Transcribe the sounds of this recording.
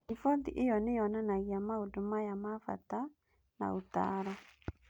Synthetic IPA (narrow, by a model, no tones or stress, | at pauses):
ifɔðiʔejɔneɔnanaɣiamaodomajamafa̰ta | na̰ota̰ɾɔ